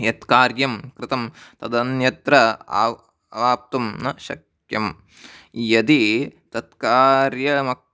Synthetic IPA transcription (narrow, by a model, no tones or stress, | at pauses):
jɐt̪kaːɾjɐmkɾɪt̪ɐmt̪ɐd̪ɐnjɐt̪ɾɐa̰ː | ɐʋaːp̚t̪umnɐʃɐ̰k | jɐm | jɐd̪it̪ɐt̪kaːɾjɐmɐ